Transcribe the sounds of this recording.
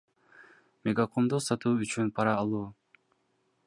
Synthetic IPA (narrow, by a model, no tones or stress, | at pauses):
mʲeɡakʰomd̪usɑt̪uːyt͡ʃynpʰɑɾɑːlˠuː